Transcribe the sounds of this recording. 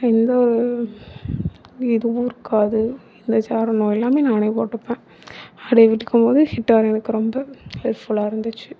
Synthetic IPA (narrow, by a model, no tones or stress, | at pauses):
ɛnd̪ɐɔɾɯ | ɪðɯʋuɪɾɯkʰːaːðɯ | ɪnd̪ɐsaːɾɐnoːjɛlːaːmeːnaːnɐɪpoːʈːɯpːẽː | ɐɽɐɪʋɪʈːɯkːɯmpoːðɯhɪʈːaːɾɛnɐkːɯɾɔmbɐɛɾfʊlaːɪɾɯnd̪ɯt͡ʃːɯ̥